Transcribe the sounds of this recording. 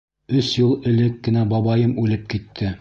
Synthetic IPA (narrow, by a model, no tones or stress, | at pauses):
ɵsjɤlˠɘ̆lɘkːɘ̆næbɑβɑjɤmʉlɘp̚kit̪ʰːɘ